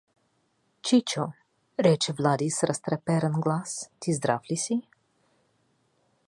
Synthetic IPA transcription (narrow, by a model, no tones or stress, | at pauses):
t͡ʃit͡ʃo | ɾɛt͡ʃevlad̪isɾast̪ɾɛpɛɾənɡlast̪izd̪ɾa̰flisi